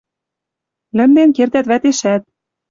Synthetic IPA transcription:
lɘ̆md̪enkert̪æt̪βæt̪eʃæt̪̚

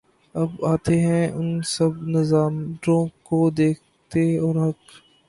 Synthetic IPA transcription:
ɐbaːt̪eɦɛ̃ʊnsɐbnɪzaːmɖɾõkod̪eːk̚ʰt̪eɔːɾɦɐk

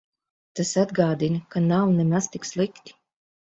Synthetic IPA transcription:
t̪asad̪ɡaːd̪inkanawnɛmast̪ikslˠikt̪i̥

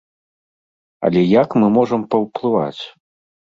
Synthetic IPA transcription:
ɐ̰lʲɛjakmɨmɔʐɐmpɐwplˠɨva̰t͡sʲ

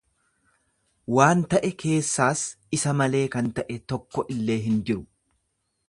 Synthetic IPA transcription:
waːnt̪ɐʔɛkʰe̞ːsːaːs | ɪsɐmɐle̞ːkɐnt̪ɐʔɛt̪ɔkːɔʔɪlːe̞ːɦɪnd͡ʒɪɾʊ

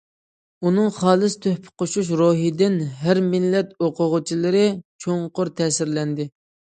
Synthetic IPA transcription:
unɨŋχɑːlˠɨst̪ʰøhpʰɪ̥qʰoʃuʃ̬ɾoɦid̪ɪnɦæɾmɪlːɛt̪oqʰʊʁʊt͡ʃʰilˠɨɾɪt͡ʃʰoŋqʊɾt̪ʰɛːsɪɾlɛnd̪ɪ

